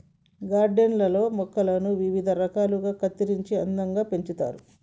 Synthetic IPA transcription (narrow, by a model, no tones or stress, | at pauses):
ɡaːɾɖenlɐlo̞ːmɔkːɐlɐnuʋiʋid̪ʱɐɾɐkaːluɡaːkɐt̪ːiɾiɲt͡ʃiɐ̰nd̪ɐŋɡaːpe̞ɲt͡ʃut̪a̰ːɾu